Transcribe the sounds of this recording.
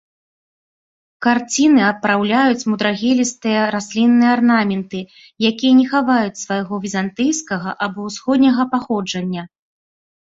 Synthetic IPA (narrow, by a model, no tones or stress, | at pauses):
kart͡sʲinɨɐpːɾawlʲajut͡sʲmud̪ɾaɣʲɛlʲist̪ɨjɐɾasʲlʲinːɨjɐarnamʲɛnt̪ɨ | jakʲijɐnʲɛxavajut͡sʲsvajɣɔvʲizant̪ɨjskɐɣɐʔabɔwsxɔd̪ʲnʲɐɣɐpaxɔd͡ʐɐnʲːɐ